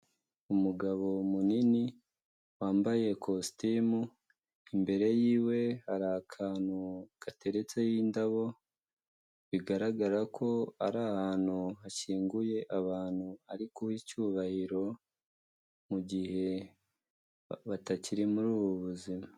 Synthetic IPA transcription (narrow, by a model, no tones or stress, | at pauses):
umuɡaβo̞munini | waːmbaje̞kʰostimu | imbe̞ɾe̞jiːwe̞haɾakʰaːn̥huɡ̥ate̞ɾe̞t͡se̞jindaβo̞ | βiɡaɾaɡaɾakʰo̞aɾahaːn̥huhaʃiːŋɡuje̞ʔaβaːn̥huaɾikuhicuβahiɾo̞ | muɟihe̞ | βataciɾimuɾuːβoβuzima